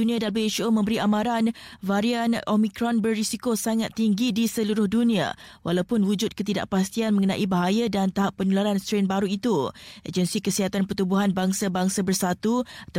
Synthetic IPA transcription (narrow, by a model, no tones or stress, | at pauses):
unĩadalbeeʃomə̃mbəɾiʔamãɾanvaɾianʔomikɾɔnbərːisikosaŋat̪ːiŋɡidisəluɾʊhdunĩa̰wʔalawpʊnwud͡ʒʊt̪̚kət̪ida̰ʔpast̪ianməŋənã̰ʔibaɦajadant̪aɦapːənulaɾanst̪ɾenbaɾuit̪uḛd͡ʒənsikəsiɦat̪anpərt̪ubuɦanbaŋsabaŋsabərsat̪uat̪a